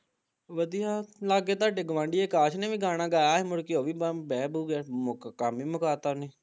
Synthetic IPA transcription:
ʋəd̪ijaːlaːɡeːt̪aːɖɪɡʋãːɳɖiːeːkaːʃnẽːʋiːɡaːñaːɡaːjaːɦemʊɽkioːʋiːbɛːbuːɡeːmkːkaːmiːmʊkaːt̪aːneː

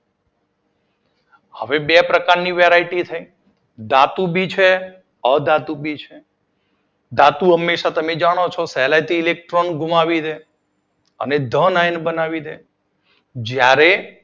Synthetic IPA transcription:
həʋebepɾəkaɾniʋeɾaiʈit̪ʰəi | d̪at̪ubʱit͡ʃʰe | əd̪at̪ubʱit͡ʃʰe | d̪at̪uɦəmːeʃat̪əmed͡ʒaɽ̃ot͡ʃʰɔsɛlajt̪iːlek̚ʈɾonɡʱumaʋid̪e | ə̰ned̪ʱənajnbənaʋid̪e | d͡ʒjaɾe

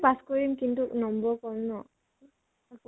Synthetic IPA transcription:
paskɔɹimkintunɔmbɔɹkɔmnɔ | ak

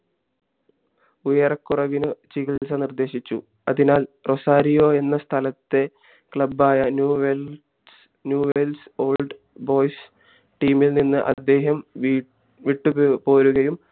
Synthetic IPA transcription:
ujɐrɐkːurɐʋinɨt͡ɕiɣilsɐnird̪e̞ːɕit͡ɕːṵ | ɐðinaːlro̞saːɾijo̞ːe̞nːɐst̪ʰɐlɐt̪ːe̞ | kɭɐbːaːjɐnuʋe | njuːʋelso̞ːlɖ | bo̞ːjs | ʈiːmilninːɨʔɐ̰d̪ːe̞ːɦɐm | ʋiʈːupo̞ːɾuɣɐjum

